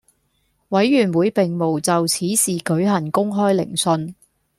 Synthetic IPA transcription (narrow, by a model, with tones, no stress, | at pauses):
wɐ˨˥jːyː˨˩nwuː˨˧jpɪ˨˩ŋmo˨˩wt͡sɐ˨wt͡sʰiː˨˥siː˨kɵ˨˥ɥɦɐ˨˩nkʊ˥ŋɦɔː˥jlɪ̰˨˩ŋsɵ˧n